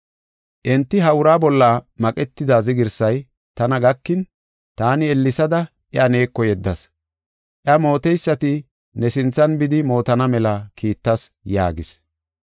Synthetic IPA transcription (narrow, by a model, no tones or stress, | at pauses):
ʔɛnt̪ːɪɦɐwʊɾaːbɔlːɐmɐkʼɛt̪ːɪd̪azɪɡɪɾsɐj | t̪ɐnɐɡɐkːɪn | t̪aːnɪɛlːɪsɐd̪ɐ | ʔɛɐne̞ːkːɔjɛd̪ːɐs | ʔɪɐmo̞ːt̪ɛjsːɐt̪ɪ | nɛsɪnt͡sːɐnbɪd̪ɪmo̞ːt̪ɐnɐmɛlɐkʰiːt̪ːɐsja̰ːɡɪs